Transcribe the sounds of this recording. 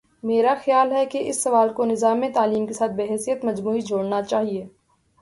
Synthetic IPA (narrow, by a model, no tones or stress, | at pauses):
meːɾaxjaːlɦɛkeʔɪsːɐʋaːlkonɪzaːmẽt̪aːliːmkesaːt̪̚ʰbeːɦɛːsijət̪mɐd͡ʒmuːid͡ʒʱoːɽnat͡ʃaːɦieː